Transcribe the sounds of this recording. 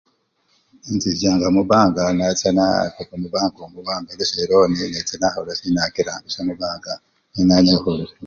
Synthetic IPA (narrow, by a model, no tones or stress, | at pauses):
int͡sizaːŋɡamuβaːŋɡanat͡sana̰tokomubaːŋɡomuβaːmbeɾeseɾoːninet͡senahoɾasinakiɾaŋɡisamubaːŋɡa | ninaɲehuɾ